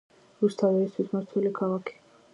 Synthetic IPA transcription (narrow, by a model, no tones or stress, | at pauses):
ɾust̪ʰavɛist̪ʰwismaɾt̪ʰɛlikʰalˠakʰi̥